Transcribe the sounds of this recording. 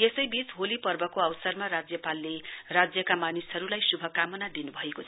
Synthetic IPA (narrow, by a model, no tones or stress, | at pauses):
esʌjbit͡sɦolipʌrbʌkoʌwsʌrmaɾad͡zjʌpalːerad͡zjʌkamanisɦʌɾulajsubʱʌkamʌnad̪inubʱʌekot͡sʰʌ